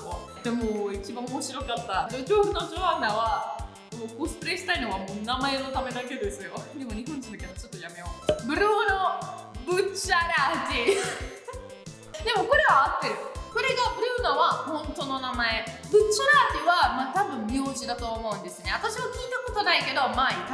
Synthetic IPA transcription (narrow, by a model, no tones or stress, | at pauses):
o | d̪emoit͡ɕibãomo̞ɕiɾo̞kat̪ːad̪eɾoːɸɯ̟nod͡ʑoand̪aβa | mokosɨ̥pɯɾeɕi̥t̪aino̞βamoːnamae̞no̞t̪ame̞d̪ake̞d̪e̞sɨjo̞kod̪emoɲ̟iɦõ̞ɲ̟d͡ʑĩnaked̪ot͡ɕo̞t̪ːo̞jame̞masbɯ̟ɾoːno | bɯ̟t͡ɕːaɾad͡ʑi | d̪e̞mo̞ko̞ɾe̞βaːt̪ːe̞ɾɯ̟ko̞ɾe̞ɡaɾɯnaβahõ̞nt̪o̞no̞namae̞bɯ̟t͡ɕːaɾaːt̪iβamaːt̪abɯ̟̃mmʲijoːʑid̪at̪o̞ːmo̞ɯ̟̃nd̪e̞sɨne̞at̪aɕiβakʲiːt̪ako̞t̪o̞naike̞d̪o̞mai